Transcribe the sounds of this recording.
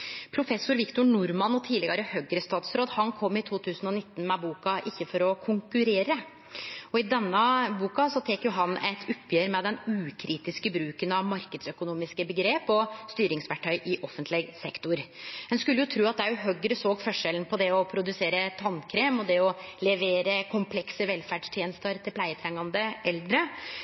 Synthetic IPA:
pʰɾʊfɛsːʊɾʋɪkt̪ʊnʊɾmɑnɔt̪ʰiːdlɪɡɑɾəhœɡɾəst̪ɑːt̪sɾoːd̪hɑnkʰɔmːɪt̪ʰuːt̪ʰʉːsənɔnɪt̪ːn̩mɛbuːkɑʔɪçːəfɔɾɔkʰʊŋkʉɾeːɾə | ɔɪd̪ɛnːəbuːkɑsɔt̪ʰɛːkjʊɦɑnɛt̪ʰʊpːjøːɾmɛd̪ɛnʉːkʰɾiːt̪ɪskəbɾʉːkənɑʋmɑɾkəd̪sœkʊnuːmɪskəbəɡɾeːpɔst̪yːɾɪŋsʋæʈʰːœʏʔɪʔɔfənt̪ʰlɪɡsɛkt̪ʊɾd̪ɛnskʉlːəjʊt̪ʰɾʉːɑt̪̚d̪ɛjʊɦœɡɾəsoːɡfœʂələnpʰɔd̪ɛɔpʰɾʊd̪ʉseːɾət̪ʰɑnkʰɾeːmɔd̪ɛɔlɛʋeːɾəkʰʊmpʰlɛksəʋɛlfæɖʂt̪ʰjeːnəst̪əɾt̪ʰɪlpʰlæɪət̪ʰɾɛŋːɑnd̪əʔɛld̪ɾə

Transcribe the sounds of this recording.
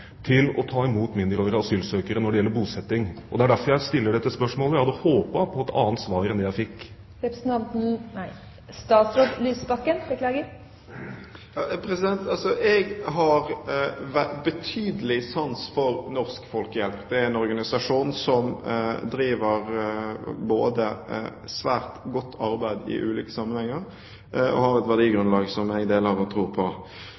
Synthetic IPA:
t̪ʰɪlɔ̰t̪ʰɑːɪmuːt̪mɪnd̪əɾɔːɾəɑsyːlsøːkəɾənɔɖɛjɛlːəɾbuːsɛt̪ːɪŋʔɔd̪ɛæɖæɾfɔɾjæɪst̪ɪlːəɖɛt̪ːəspœʂmoːləjæhɑd̪ɔhoːpəpʰɔɛt̪ʰɑ̰ːnt̪sʋɑːɾɛnd̪ɛjæɪfɪkː | ɾɛpɾsnt̪ʰɑnt̪n̩ | st̪ɑːt̪sɾoːd̪lyːsbɑkːənbəkʰlɑːɡə | jɑpʰɾɛsɪd̪ɛnt̪ɑlsɔʔɛɡɦɑɾʋæbət̪ʰyːd̪əlɪsɑnsfɔɾnɔɾskfɔlkəjɛlpd̪ɛæɾɛnɔɾɡɑnɪsɑʂuːnsɔmd̪ɾiːʋəʁ | boːd̪əsʋæːɾt̪ɡɔt̪ʰːɑɾbæɪd̪ɪ̰ʔʉ̰ːliːkə̥sɑmːənhɛŋːəɾ | ɔ̰hɑɾɛt̪ʋæʁdiːɡɾʉnlɑːɡsɔmɛd̪eːlɑːʋət̪ʰɾuːʁpʰɔ

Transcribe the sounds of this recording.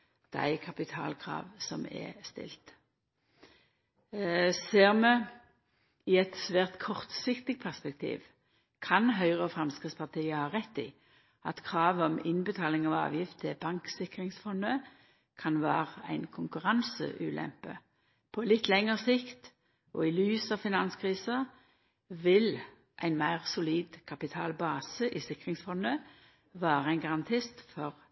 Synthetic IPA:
d̪̥æ̰ɪkʰɑpɪt̪ʰɑ̰ːlkʰʁɑ̰ːʋsɔmɛ̰st̪ɪ̰lt̪ | seːʁmə | ɪɛt̪sʋæːʁt̪kʰɔʁt̪sɪkt̪ɪɡpʰæʁspɛk̚t̪ʰḭːʋ | kʰɑnɦœʏʁɔfʁɑmskʁɪt̪spʰɑʁt̪ʰiːəhɑːʁɛt̪ːḭː | ɑt̪kʰʁɑːʋɔmɪnbət̪ʰɑːlɪŋɑʋɑ̰ːʋjɪft̪ʰɛbɑŋksɪkʁɪŋsfɔnd̪ə | kʰɑnʋæ̰ːʁəæ̰ɪnkʰʊŋkʉʁɑnsə̰ʔʉ̰ːlʔɛ̰mpə̰ | pʰɔlɪt̪ːlɛŋəʁsɪkt̪ | ʔɔɪlyːsɑʋfɪnɑnskʰʁiːsə | ʋɪl | ʔæɪnmæɪʁsʊliːd̪kʰɑpɪt̪ʰɑ̰ːlbɑːsəʔɪsɪkʁɪŋsfɔnə | ʋæːʁəɛɪnɡɑʁɑnt̪ʰɪst̪fɔʁ

